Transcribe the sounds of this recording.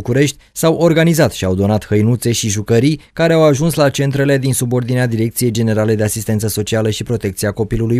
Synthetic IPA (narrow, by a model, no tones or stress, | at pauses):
kuɾe̞ʃt̪ʲsawʔo̞rɡanizat̪ʃiawd̪o̞nat̪həjnut̪se̞ʃiʒukəɾijkaɾe̞awaʒunslat͡ʃe̞nt̪ɾe̞le̞d̪insubo̞rd̪inead̪iɾe̞k̚t̪sije̞jd͡ʒe̞ne̞ɾale̞d̪e̞asist̪e̞nt̪səso̞t͡ʃialəʃipɾo̞t̪e̞k̚t̪sieako̞piluluj